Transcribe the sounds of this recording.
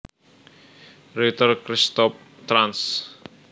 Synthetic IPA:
ɾit̪ərkɾist̪ɔp̚ | t̪ɾans

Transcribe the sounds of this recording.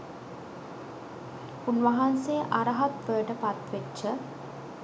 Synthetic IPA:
punʋɐɦansejəʔaɾəɦat̪ʋəjəʈəpat̪ʋetːə

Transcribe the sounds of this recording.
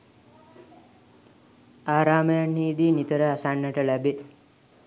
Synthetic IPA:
aːɾaːməjanːiːd̪iːnit̪əɾəasaɳːəʈəlæbe

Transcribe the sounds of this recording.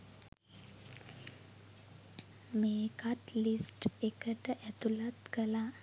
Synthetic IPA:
meːkat̪lisʈekəʈ̪əʔɛt̪ulat̪kəla

